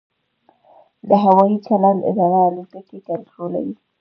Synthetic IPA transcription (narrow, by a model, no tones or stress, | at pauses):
d̪əɦawɑjit͡ʃaland̪ɪ̰d̪ɑɾaːlut̪akek̪aɾsola̰wi